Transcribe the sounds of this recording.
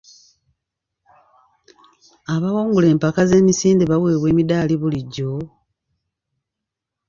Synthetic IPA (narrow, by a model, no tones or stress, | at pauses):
aβawoːŋɡule̞ːmpakaze̞ːmisiːndeβawe̞ːβwe̞ːmidaːliβuliɟːo